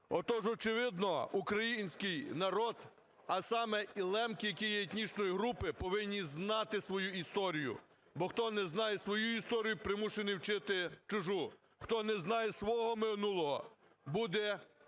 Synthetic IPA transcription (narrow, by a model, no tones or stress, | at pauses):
ɔt̪ɔʒɔt͡ʃɪʋɪd̪nɔukɾɐjinʲsʲkɪjnɐɾɔd̪ | ɐsɑmɛilˠɛmkɪjɐkʲijɛet̪ʲnʲit͡ʃnɔjiɦɾupɪpɔʋɪnʲːiznɑt̪ɪsʋɔjuist̪ɔɾʲijʊ̰ | bɔxt̪ɔnɛznɑjɛsʋɔjuist̪ɔɾʲijʊpɾɪmuʃenijwt͡ʃɪt̪ɪt͡ʃʊʒu | xt̪ɔnɛznɑjɛsʋɔɦɔmɪnulˠɔɦɔ | bud̪ɛ